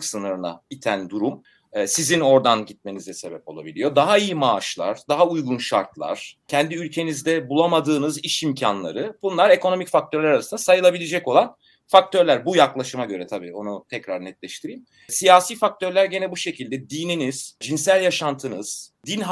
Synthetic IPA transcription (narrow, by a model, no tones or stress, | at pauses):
ksɯnɯɾɯna̰it̪ʰænd̪uɾum | ɛːsizino̞ɾd̪anɟit̪̚me̞nizɛse̞bɛpo̞lˠa̰bḭlʲijo̞d̪aɦaijimaːʃlˠa̰ɾd̪aɦaujɡunʃa̰ɾt̪lˠa̰ɾ̥cʰɛnd̪iylʲcʰe̞nizd̪ɛbulˠamad̪ɯːnɯziʃimcʰanlˠa̰ɾɯbunlˠaɾe̞kono̞micfak̚t̪ʰø̞ɾlʲɛɾaɾasɯnasajɯlˠabilʲed͡ʒɛco̞lˠan | fak̚t̪ʰø̞ɾlʲæɾbujaklˠaʃɯmaɟø̞ɾɛt̪ʰabiːo̞nut̪ʰɛcɾaɾnɛt̪lʲɛʃt̪ʰiɾijim | sijaːsiːfak̚t̪ʰøɾlʲæɾɟe̞nɛbuʃe̞cʰilʲd̪ɛd̪iːniniz̥d͡ʒinsælʲjaʃant̪ʰɯnɯz̥d̪inɦ